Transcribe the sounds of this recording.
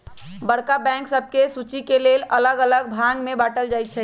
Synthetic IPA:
bəɽkabɛ̃ŋksəb̚ʱkesut͡ʃikelelələɡələɡ̚bʱãɡmebaʈəld͡ʒajt̪t͡ʃʰɛ

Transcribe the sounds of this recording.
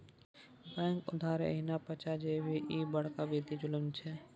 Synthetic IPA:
bɛ̃ːŋkʊd̪ʱaːɾə̰ɦinapət͡ʃad͡ʒebʱiʔibəɽ̤kabid̪id͡ʒʊləmt͡ʃʰɛ

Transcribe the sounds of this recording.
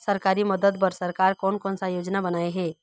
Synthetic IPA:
səɾkaːɾiməd̪əd̪pəɾsəɾkaːɾkɔːnkɔːnsajoːd͡ʒnabənaːeɦɛː

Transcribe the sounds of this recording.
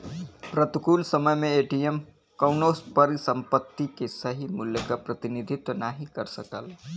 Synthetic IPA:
pɾət̪ukulsəməjmeːʈijem | kəʊnospəɾsəmpət̪ːikesəɦimuljəkapɾət̪inid̪ʱit̪ːənaɦikəɾsəkəl

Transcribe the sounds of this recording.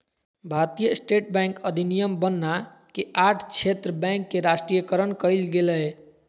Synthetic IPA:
bʱat̪ijəsʈeʈbɛ̃ŋkəd̪ʱinijəmbənːa | keʔaʈʰt͡ʃʰet̪ɾəbɛ̃ŋkːeɾasʈɾijəkəɾənkəjlɡeləj

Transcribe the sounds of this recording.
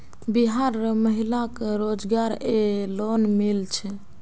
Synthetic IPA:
biɦaɾməɦilakɾod͡ʒɡaɾelonmilt͡ʃʰɛ

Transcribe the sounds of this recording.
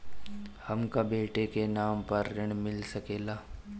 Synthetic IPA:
hɐmkabeːʈekenaːmpɐɾːɪɽ̃mɪlsɐkeːlaː

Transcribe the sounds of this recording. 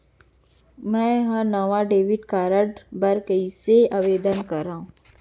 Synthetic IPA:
mɛ̃ːɦənɐʋaɖeːʋɪʈkaːɾəɖbɐɾkəiseaʋeːd̪ənkɐɾːaːɦũː

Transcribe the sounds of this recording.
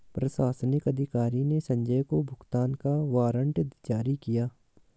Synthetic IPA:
pɾɐsaːsnɪkɐd̪ʱɪkaːɾinesɐ̃ɲd͡ʒəjkobʱʊɡt̪aːnkaʋaːɾə̃ɳʈd̪d͡ʒaːɾikijaː

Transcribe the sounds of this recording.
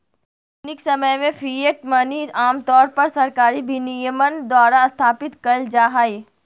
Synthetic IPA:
nɪksɐməjmẽfʰiːeʈmɐniaːmt̪ɔːɾpɐɾsɐɾkaːɾibʱinijəmənd̪waːɾast̪ʰaːpɪt̪kɐld͡ʒaːɦaːiː

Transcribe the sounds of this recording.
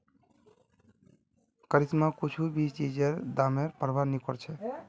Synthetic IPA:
kəɾismakut͡ʃʰubist͡ʃid͡ʒeɾd̪ameɾpəɾbʱaɾnikɔɾt͡ʃʰɛ

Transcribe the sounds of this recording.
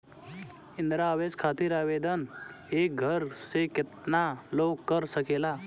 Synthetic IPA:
ɪ̃nd̪ɾaːʋeːskʰaːt̪iɾaːʋeːd̪ən | eːk̚ɡʱəɾsekɪt̪naloːɡkəɾsəkeːlaː

